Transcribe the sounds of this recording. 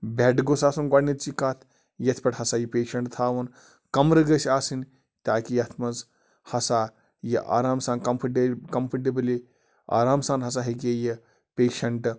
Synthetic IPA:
beʈɡosaːsunɡɐɽnːit̪t͡ʃikat̪ʰ | jɐt̪ʰpʲɐʈhɐsaːjipeːʃɐɳʈt̪ʰaːʋɐn | kɐmɾɨɡɐsʲaːsin | t̪ʲaːkijɐt̪ʰmɐz | hɐsaː | jḭʔa̰ːɾaːmsaːnkɐmpʰɐʈikɐmpʰɐʈibli | a̰ːɾaːmsaːnɦɐs̬aːɦɐkeji | peːʃɐɳʈ

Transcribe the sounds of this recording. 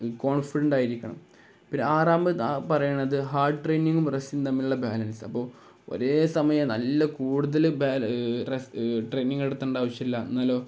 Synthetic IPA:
ko̞ːɳfiɽɐɳɖaːjiɾikʲːɐɳɐ̰m | pinaːraːmbɨpɐrɐjuɳːɐðɨɦaːrɖɨʈrejniŋɡumresint̪ɐmːiluɭːɐbaːlɐnsɐ̰pːo̞ː | o̞̰ɾeːsɐmɐjɐmnɐlːɐkuːɽuðɐlbaːlresʈrejniŋɡeɽut̪ːɐɳɖaːʋɐɕjɐilːɐnːaːloː

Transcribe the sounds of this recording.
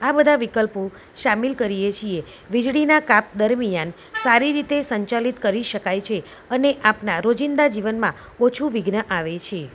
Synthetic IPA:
abəd̪ʱaʋikəlpo | ʃamilkəɾijet͡ʃʰie | ʋid͡ʒɭinakap̚d̪əɾmijan | saɾiɾit̪esəɲt͡ʃalit̪kəɾiʃəkajt͡ʃʰe | əneʔapnaɾod͡ʒind̪ad͡ʒiʋənmã | ot͡ʃʰuʋiɡnəʔaʋet͡ʃʰe

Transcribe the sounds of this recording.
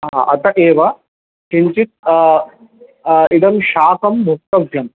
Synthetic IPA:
ɦa̰ʔɐt̪ɐʔeːʋɐ | kiɲt͡ʃit̪̚ | id̪ɐmʃaːkɐmːuk̚t̪ɐʋʱjɐm

